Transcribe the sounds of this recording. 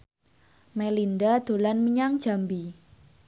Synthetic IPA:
melindad̪̥o̤lanməɲaŋd̥ʒ̥a̤mbi

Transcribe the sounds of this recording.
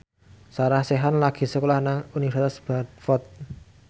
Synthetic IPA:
saɾahseɦanlaɡ̥i̤səkolahnaŋunifaɾsit̪asb̥at̪̚fɔt̪̚

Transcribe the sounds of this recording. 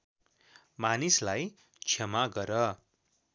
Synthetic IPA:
manislaj | t͡sʰʌmaɡʌɾʌ

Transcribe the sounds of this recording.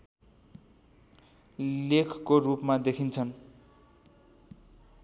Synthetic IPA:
lekʰkorupmad̪ekʰint͡sʰʌn

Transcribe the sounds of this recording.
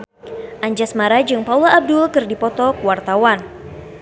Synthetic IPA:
ʔaɲd͡ʒasmaɾad͡ʒɨŋpaulaːb̚dulkɨrdipɔt̪ɔkwart̪awan

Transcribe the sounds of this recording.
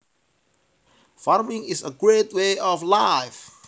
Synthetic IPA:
faɾmĩŋisəɡɹetweɔflaɪf

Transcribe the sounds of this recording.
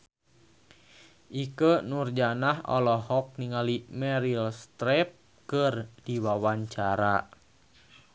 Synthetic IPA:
ʔikənurd͡ʒanahɔ̰lɔɦɔk̚niŋalimɛɾilst̪ɾɛp̚ | kərdiwawaɲt͡ʃaɾa

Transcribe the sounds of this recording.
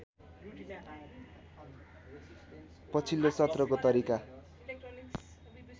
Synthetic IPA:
pʌt͡sʰilːosʌt̪rʌkot̪ʌɾika

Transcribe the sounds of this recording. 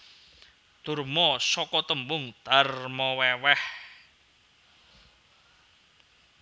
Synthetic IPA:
d̪̥ʊ̤rmɔsɔkɔt̪əmbʊŋd̪̥a̤rmɔwɛwɛh

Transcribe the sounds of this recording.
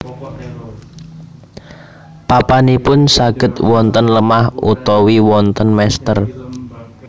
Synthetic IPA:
papanipʊnsaɡ̥ə̤t̪̚wɔnt̪ənləmahut̪ɔwiwɔnt̪ənmɛst̪ər

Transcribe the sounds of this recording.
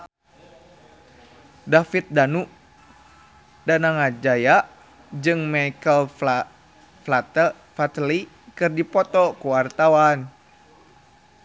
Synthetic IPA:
dafit̪̚danuʔ | danaŋad͡ʒajaʔ | d͡ʒɨŋmaikəl | fla | fat̪li | kɨrdipɔt̪ɔkuwart̪awan

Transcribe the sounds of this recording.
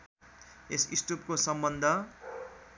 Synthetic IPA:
esisʈup̚kosʌmbʌnd̪ʱʌ

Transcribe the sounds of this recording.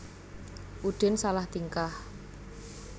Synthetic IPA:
ʔuɖ̪̥e̤nsalaht̪iŋkah

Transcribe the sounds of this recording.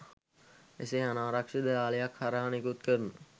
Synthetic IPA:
ḛseanaːɾakʂid̪əaːləjakhaɾaɦanikut̪kərnu

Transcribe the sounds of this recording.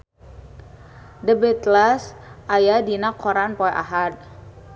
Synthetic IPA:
dəbɛt̪lasʔajadinakʰɔɾanpɔɛʔa̰ɦad̪̚

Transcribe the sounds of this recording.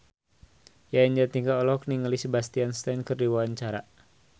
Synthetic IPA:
jaəɲd͡ʒat̪iŋɡaɔlɔk̚niŋəlisəbast̪ianst̪ankərdiwaant͡ʃaɾa

